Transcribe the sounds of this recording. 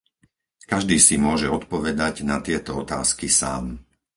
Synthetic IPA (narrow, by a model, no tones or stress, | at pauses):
kaʒd̪iːsimʊɔʒɛɔt̪pɔʋɛd̪aɟnat̪ɪɛt̪ɔɔt̪a̰ːskisa̰ːm